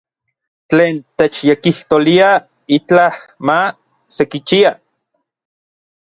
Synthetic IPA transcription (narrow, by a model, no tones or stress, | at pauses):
t͡ɬeːnt̪et͡ʃjekiht̪olia | it͡ɬahma | sekit͡ʃia